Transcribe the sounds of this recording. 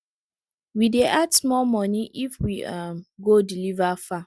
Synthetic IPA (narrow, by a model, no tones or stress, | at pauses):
wideʔadsmɔmɔniʔifwiamɡodilivafa